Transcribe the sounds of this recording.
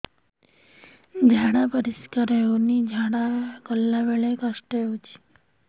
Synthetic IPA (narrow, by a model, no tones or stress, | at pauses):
d͡ʒʱaɽ̃apəɾiskəɾəjonid͡ʒʱaɽ̃akəlːaʋeɭekəʃʈəut͡ʃʰi̥